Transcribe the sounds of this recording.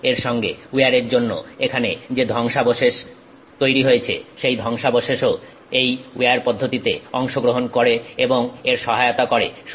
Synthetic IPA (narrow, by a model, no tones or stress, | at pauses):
eɾʃɔŋɡḛuaɾeɾd͡ʑonːo̰ekʰaned͡ʑed̪ʱɔŋʃaboʃeʃ | t̪ojɾiɦojet͡ɕʰḛʃejd̪ʱɔŋʃaboʃeʃo | ejuaɾpɔd̪ʱːot̪it̪ḛɔŋʃoɡɾoɦonkoɾeeboŋeɾʃɔɦaeot̪akoɾḛʃ